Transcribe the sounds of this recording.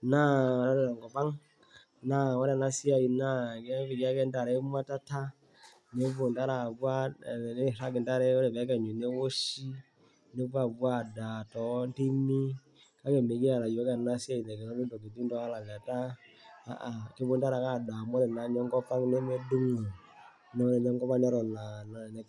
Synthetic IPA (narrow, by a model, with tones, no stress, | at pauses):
na˦ɔ˨ɾa˦ɾɛ˦la˨ŋɡɔ˨pa˦ŋ | na˦˨wɔ˦ɾɛ˨na˦si˦a˨i˨na˦˨kɛ˦βi˨ki˦a˦kɛ˦nda˨ɾɛ˦m˦a˦ta˦ta˦ | ne˦βo˨nta˦ɾa˨βwa˦˨e˦˨ɾa˦kɛ˨nda˦ɾɛ˦ɾɛ˨βa˦kɛ˦˨ɲu˨ne˦wo˦ʃi˦ | ne˦βa˦βwa˦˨da˨tɔ˨˦nti˦mi˦ | ka˦ke˨me˨ki˦a˨la˨jɔ˦ka˦˨na˦si˦a˦i˨na˨kɛ˨nɔ˦ɾi˦ndɔ˨ke˨ti˦ndɔ˦a˦la˨ɣa˨ta˦ | a̰˦˨ʔa˨ke˦βo˦nta˦ɾa˨ka˦˨da˨mɔ˦ɾɛ˨na˨ɲɔ˦ŋɡɔ˦pa˦ne˦me˦du˦ŋɔ˨ | nɔ˦ɾɛ˨ɲɔ˦ŋɡɔ˦pa˦nɛ˦ɾɔ˨na˨na˨n˨